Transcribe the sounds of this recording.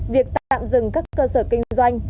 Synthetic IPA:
vi˨˩ək̚t̪aː˧˨a̰ː˧˨mzɨ˨˩ŋkaː˦˥kːəː˧səː˧˩kï˧ŋ̟zwa˧jŋ̟

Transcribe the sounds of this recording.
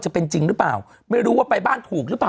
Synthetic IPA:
t͡ɕa˨˩pe˧nt͡ɕi˧ŋɾɯː˦˥pa̰ː˨˩w | ma˥˩jɾuː˦˥waː˥˩pa˧jbaː˥˩nt̪ʰuː˨˩k̚ɾɯː˦˥paː˨˩

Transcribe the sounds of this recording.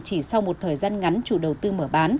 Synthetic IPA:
t͡ɕi˧˩sa˧wmo˨˩t̚t̪ʰəː˨˩jzaː˧nŋa˨˦nt͡ɕṵ˧˩ɗə˨˩wt̪ɨ˧məː˧˩ɓaː˨˦n

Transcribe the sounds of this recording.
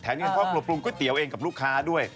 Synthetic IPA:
t̪ʰɛː˩˦nki˧kʰɔː˦˥˩pɾu˨˩t̚p̚ɾu˧ŋkɔ˥˩jt̪i˩˦əwʔeː˧ŋka˨˩ɾuː˥˩kʰːaː˦˥du˥˩əj

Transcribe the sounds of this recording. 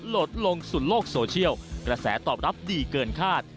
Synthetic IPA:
lo˨˩t̪̚lo˧ŋsu˨˩t̪̚loː˥˩k̚soː˧t͡ɕʰi˥˩əwkɾa˧sɛ̰ː˩˦t̪ɔː˨˩p̚ɾa˦˥p̚diː˧kɤː˧nkʰaː˥˩t̪̚

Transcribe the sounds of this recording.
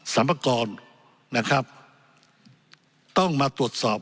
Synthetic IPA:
sa˩˦mpʰa˧kɔː˧n | na˦˥˩kʰɾa˦˥p̚ | t̪ɔ˥˩ŋmaː˧t̪u˨˩ət̪̚sɔː˨˩p̚

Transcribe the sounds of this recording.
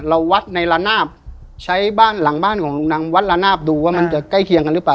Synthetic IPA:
ɾa˧wːa˦˥t̪̚na˧jla˧naː˥˩p̚ | t͡ɕʰa˦˥jbaː˥˩nla˨˩˦ŋbaː˥˩nkʰɔː˩˦ŋlu˧ŋnaː˧ŋwa˦˥t̪̚la˧naː˥˩p̚duː˧waː˥˩ma˧nt͡ɕa˨˩ka˥˩jkʰi˧əŋka˧nlɯ˦˥paː˧˩

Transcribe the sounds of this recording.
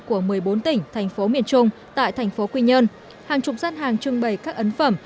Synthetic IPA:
ku˧˩əmɨ˨˩əjɓo˨˦nt̪ï˧˩ŋ̟t̪ʰa˨˩jŋ̟fo˨˦mḭ˧˨ənt͡ɕʊ˧ŋ͡mt̪a̰ː˧˨jt̪ʰɛ˨˩jŋ̟fo˨˦kwi˧ɲə˧n | haː˨˩ŋt͡ɕʊ˨˩p̚zaː˦˥t̚haː˨˩ŋt͡ɕɨ˧əŋɓə˧˩jkaː˦˥k̚ʔə˨˦nfə˧˩m

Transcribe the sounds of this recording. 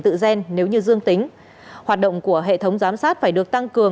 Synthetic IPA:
t̪ɨ̰˧˨zɛ˧nne˨˦wɲɨ˧zɨ˧əŋt̪ï˨˦ŋ̟ | hwaː˨˩t̚ɗə̰˧˨wŋ͡mku˧˩əɦḛ˧˨t̪ʰə˨˦wŋ͡mzaː˨˦msaː˦˥t̚faː˧˩jɗɨ˨˩ək̚t̪a˧ŋkɨ˨˩ə

